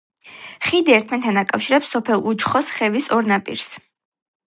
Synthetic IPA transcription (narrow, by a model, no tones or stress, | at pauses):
χid̪iɛɾt̪ʰmɛnt̪ʰanakʼafʃiɾɛpsːɔpʰɛlˠud͡ʒχɔsχɛvisɔɾnapʼḭɾs